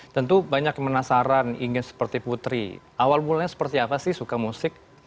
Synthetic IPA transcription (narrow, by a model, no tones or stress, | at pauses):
t̪ənt̪ubaɲakmənasaɾanḭŋɪnsə̥pərt̪iput̪ɾḭʔawalmulaɲasə̥pərt̪iapasɪhsukamusɪk̚